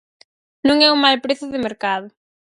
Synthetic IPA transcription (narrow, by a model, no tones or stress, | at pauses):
nũŋɛumajpɾeθʊðɪmeɾkaðʊ